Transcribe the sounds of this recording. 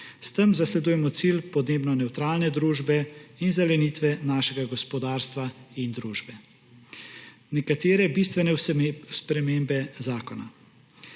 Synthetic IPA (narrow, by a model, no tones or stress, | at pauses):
st̪əmzaslɛd̪uːjɛmɔt̪silpɔd̪neːbnɔnɛwt̪ɾaːlnɛd̪ɾuːʒbɛinzɛlɛniːt̪ʋɛnaːʃɛɡaɡɔspɔd̪aːɾst̪ʋaind̪ɾuːʒbɛ | nɛkat̪eːɾɛbiːst̪ʋɛnɛspɾɛmeːmbɛzaːkɔna̰